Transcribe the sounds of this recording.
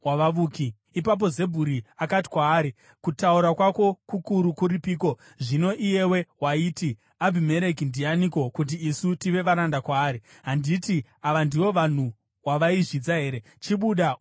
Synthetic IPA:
waʋaʋuːkiː | pap̬o̞ze̞bʱuɾiakati̥kwaːɾi | kutauɾakwako̞kukuɾukuɾipiːko̞ | ʐino̞ʔije̞we̞waiːti | abʱime̞ɾe̞kindianiko̞kut̬iːsutiʋe̞ʋaɾandakwaːɾiɦanditi | aʋandiwo̞ʋan̤u | waʋaiʐid͡zaɦe̞ːɾe̞ | t͡ʃiɓuɗa

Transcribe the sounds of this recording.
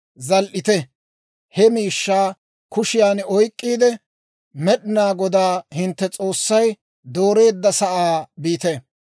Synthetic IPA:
zɐlʔɪt̪ɛ | hɛmiːʃːaː | kʊʃɪjaːnɔjkʼːiːd̪ɛ | mɛɗɪnaːɡɔd̪aːhɪnt̪ːɛt͡sʼo̞ːsːɐj | d̪o̞ːɾe̞ːd̪ːɐsɐʔaːbiːt̪ɛ

